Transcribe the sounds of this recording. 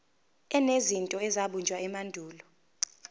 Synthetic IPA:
ɛnezintʼɔɛzaɓund͡ʒʱwaɛmandʱuːlɔ

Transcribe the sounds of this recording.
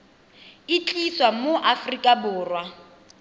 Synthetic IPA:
ɪt͡ɬʼiswamoʔafrikʼabʊːrwa

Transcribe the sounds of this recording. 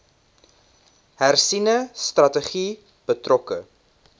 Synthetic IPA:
hærsinəstrɐtəχi | b̥ətrɔkə

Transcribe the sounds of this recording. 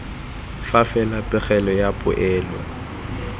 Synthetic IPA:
fafɛlapʼɪɣɛlɔjapʼʊ̰ʔɛːlwa

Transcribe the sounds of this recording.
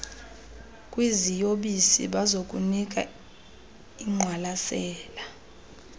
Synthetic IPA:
kʼwizijoɓisḭɓazok̬ʼunik̬ʼa̰ | iŋ͡ǃʱwalasɛːla

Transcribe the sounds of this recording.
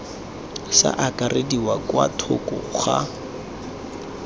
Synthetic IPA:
sa̰ʔakarediwakwatʰʊkɔχa

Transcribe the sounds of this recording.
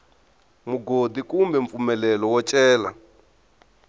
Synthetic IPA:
muɡodikumbɛɱp̪fumɛlɛlɔwɔt͡ʃʼɛːla

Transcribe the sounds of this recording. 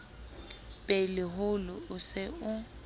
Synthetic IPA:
pʼelɪɦʊlʊʊsɪʊ

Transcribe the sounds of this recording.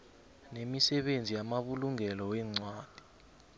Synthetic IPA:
nemisɛɓend͡zʱijamaɓuluŋɛlɔwɛːŋ͡ǀwaːd̥ʱi̥

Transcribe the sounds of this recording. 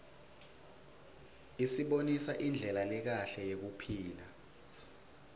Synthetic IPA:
isiɓonisaʔind͡ɮʱɛlalɛk̬aɬɛjek̬upʰiːla

